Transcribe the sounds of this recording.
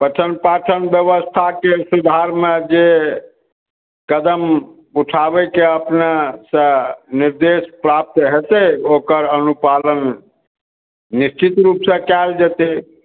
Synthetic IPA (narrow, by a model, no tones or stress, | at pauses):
pəʈʰənpaʈʰənbjəʋəst̪ʰakesud̪ʱaɾmed͡ʒe | kəd̪əm | uʈʰabɛkeəpnasə̃niɾd̪espɾap̚t̪ɦet̪ɛokəɾənupalən | ist͡ʃit̪ɾupsə̃kɛld͡ʒɛt̪e